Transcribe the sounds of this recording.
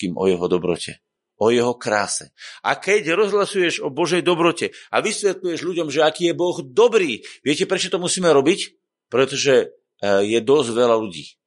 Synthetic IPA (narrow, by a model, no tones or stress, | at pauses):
kiːmʔɔ̰jɛɦɔd̪ɔbɾɔ̰cʰɛ̰ | ɔjɛɦɔkɾa̰ːsɛ̰a̰kɛɟɾɔzɦlasujɛʒɔbɔʒɛjd̪ɔbɾɔcɛaʋisʋɛt̪lujɛʒluɟɔmʒɛakiːjɛbɔɣd̪ɔbɾiːʋɪɛcɛpɾɛt͡ʃɔt̪ɔmusiːmɛɾɔbic | pɾɛt̪ɔʒɛ | jɛd̪ɔzʋɛlaluɟḭː